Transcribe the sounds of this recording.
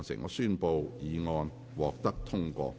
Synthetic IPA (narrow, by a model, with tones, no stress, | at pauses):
nsɪ̰˨˩ŋɔː˨˧syː˥npo˧wjiː˨˧ŋɔː˧n | wɔː˨k̚t̪ɐ˥k̚t̪ʰʊ˥ŋkʷɔ̰ː˧